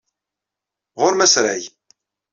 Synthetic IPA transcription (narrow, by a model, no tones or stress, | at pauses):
ʁʊɾmæsɾaj